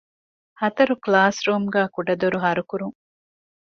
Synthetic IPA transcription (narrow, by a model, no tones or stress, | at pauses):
hɐt̪ɐɾuklaːsɾuːmɡæːkuɖɐd̪oɾuɦɐɾukuɾuŋ